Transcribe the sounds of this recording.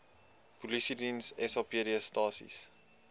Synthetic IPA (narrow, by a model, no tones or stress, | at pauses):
pulisidinsɛsɑpiəɾiəstɑːsḭs